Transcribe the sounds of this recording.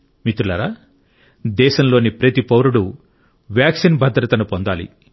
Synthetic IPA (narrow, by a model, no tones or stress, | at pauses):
mit̪ulɐɾaː | d̪ɛːʃɐmlo̞ːnipɾɐt̪ipɐwɾuɽu | ʋjaːksinbɐd̪ɾɐt̪ɐnupond̪aːlḭ